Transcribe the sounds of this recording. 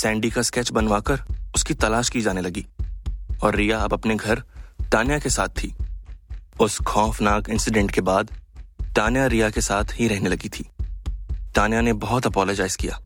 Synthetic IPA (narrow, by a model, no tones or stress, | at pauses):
sɛ̃ːɳɖikaskɛːt͡ʃbɐnʋaːkɐɾʊskit̪ɐlaːʃkid͡ʒaːnelɐɡiː | ɔːɾːijaɐbɐpneɡʱɐɾt̪aːnjakesaːt̪ʰːiː | ʊskʰɔːfnaːkɪ̃nsɪɖɛ̃ɳʈkebaːd̪ʈ̪aːnjaɾijakesaːt̪ʰɦiɾɛɦnelɐɡit̪ʰiː | ʈ̪aːnjanebɐɦʊt̪ɐpɔːlɔd͡ʒaːɪz̥kija̰ː